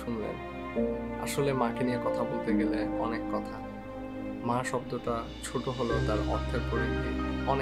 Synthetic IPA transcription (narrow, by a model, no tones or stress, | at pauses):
ʃunlḛn | aʃolemãkeniekɔt̪ʰabolt̪eɡeleɔnekːɔt̪ʰa | mãʃɔb̚d̪oʈa | t͡ɕʰoʈoɦolot̪aɾɔɾt̪ʰepoɾid̪ieɔne